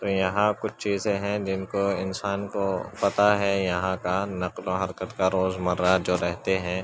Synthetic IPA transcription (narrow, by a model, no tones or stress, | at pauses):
t̪oːjɐɦãkʊt͡ʃʰt͡ʃiːzẽɦɛ̃d͡ʒɪnkoɪnsaːnkopɐt̪aɦɛjɐɦãkanɐqloɦɐɾkət̪kaɾoːzmɐɾad͡ʒoːɾɛɦt̪eɦɛ̃ː